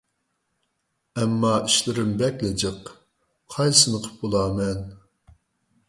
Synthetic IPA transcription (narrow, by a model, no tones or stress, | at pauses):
ɛmːɑiʃlɪɾɪmbɛkʲlɪd͡ʒɨq | qʰɑjsɨnɨqʰə̥p̚bolˠɑːmɛn